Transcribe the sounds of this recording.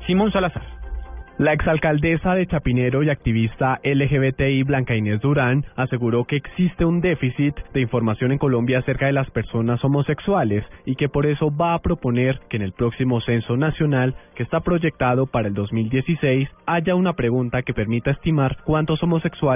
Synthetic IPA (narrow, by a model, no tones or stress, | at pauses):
simonsalasaɾ | lae̞ksalkald̪e̞saðet͡ʃapine̞ɾo̞iak̚t̪iβ̞ist̪aʔe̞le̞xeβet̪eiβlaŋkaine̞zd̪uɾanase̞ɣuɾo̞ke̞ːksist̪e̞und̪e̞fisit̪d̪e̞iɱfo̞ɾmasjo̞ne̞ŋko̞lõ̞mbjaːse̞ɾkaðe̞laspe̞ɾso̞naso̞mo̞se̞kswale̞sike̞po̞ɾe̞so̞βaːpɾo̞po̞ne̞ɾke̞ːne̞lpɾo̞ksimo̞se̞nso̞nasjo̞nalke̞ːst̪apɾo̞ʝe̞k̚t̪aðo̞paɾae̞ld̪o̞zmild̪je̞sise̞jsaʝaunapɾe̞ɣunt̪ake̞pe̞ɾmit̪ae̞st̪imaɾkwant̪o̞so̞mo̞se̞kswa